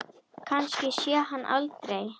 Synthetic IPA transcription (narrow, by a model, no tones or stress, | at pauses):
kʰanscɪsjɛːɦanːʔa̰lt̪ɾej